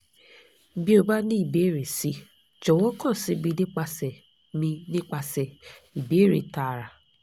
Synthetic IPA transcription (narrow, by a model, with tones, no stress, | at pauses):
bi˦o˧ba˦nĩ˦i˦˨be˨˦˨ɾe˨si˨˦ | d͡ʒɔ˨wɔ˦kã˦˨si˨˦bi˧de˦k͡pa˧sɛ˨ | mĩ˧nĩ˦k͡pa˧sɛ˨i˨be˨˦ɾḛ˨ta˨ɾa˨